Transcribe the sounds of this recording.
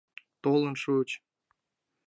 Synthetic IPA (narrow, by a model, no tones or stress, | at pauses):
t̪olˠənʃut͡ɕ